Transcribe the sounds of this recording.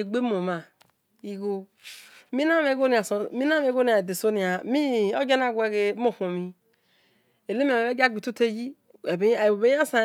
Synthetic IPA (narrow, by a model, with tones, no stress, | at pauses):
e˨ɡ͡be˦mo˨ma˨ | i˨ɡo˦ | mi˦na˦me˨ɡo˦ni˨a˨so˨mi˦n˦a˦me˨˦ɡo˦ni˨a˨e˨de˨so˦ni˨a˨mi˦o˦d͡ʒe˦n˦a˦˨ɡʷe˦ɡe˨˦mo˨ko˨mi˦ | e˨le˦mi˦a˨e˦d͡ʒa˦˨ɡ͡bi˨tu˦te˦ji˦ | e˨be˦˨o˨be˦a˦sa˨